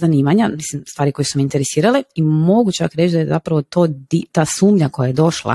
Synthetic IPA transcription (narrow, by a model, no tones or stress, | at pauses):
zaniːmaɲamislimst̪ʋaːɾiko̞jusumiint̪eɾesiːɾaleimo̞ɡut͡ʃakɾet͡ʃd̪ajeza̰pɾaʋo̞t̪od̪it̪aːsuːmʎakojaje̞d̪o̞ʃlˠa̰